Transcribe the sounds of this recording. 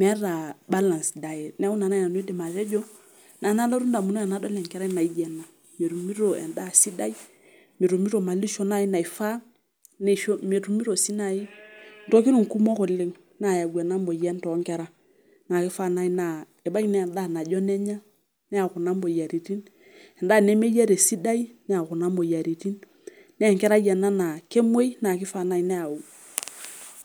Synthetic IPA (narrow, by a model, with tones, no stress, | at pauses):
mɛ˦ɾa˨ba˦la˨nsda˨jɛ˨nɛ˦u˦na˨na˦˨na˨n˦i˦de˨ma˨tɛ˦d͡ʒɔ˦ | na˨na˦lɔ˦ɾu˦nda˨mu˨nɔ˦a˨na˨˦dɔ˦lɛ˨ŋkɛ˦ɾa˦na˨i˦d͡ʒɛ˨na˨ | me˨ɾu˨mi˦ɾo˨ɛ̰˨nda˦si˦da˦i˦ | me˨ɾo˨mi˦ɾo˨ma˨li˦ʃɔ˦na˦ji˦na˨i˨fa˦ | nɛ˨ʃo˦me˨tu˨mi˦ɾo˨si˦na˨i˦n˨tɔ˦ki˦ɾu˦˨ŋ˨ku˦mɔ˦ko˨le˦ŋ | na˨ja˨ɡwa˨na˦mbo˨jɛ˦n˦tɔ˨˦ŋkɛ˦ɾa˦ | na˨kɪ˦fa˦na˦i˦na˨ | e˨ba˦knɛ˦˨da˦˨na˨d͡ʒɔ˦nɛ˦ɲa˦ | nɛ˦a˨kʊ˨na˦mbo˨ja˨ɾi˨ti˦n | ɛ˨nda˦˨ne˦me˦ja˦ɾe˨si˦da˦i˦nɛ˦a˨ku˨na˦mbo˨ja˨ɾi˨ti˦nː | ɛ˦˨ŋkɛ˦ɾa˦jɛ˨na˦na˨ke˦mwe˦i˦na˨ki˦fa˦˨na˦i˦nɛ˦a˨u˨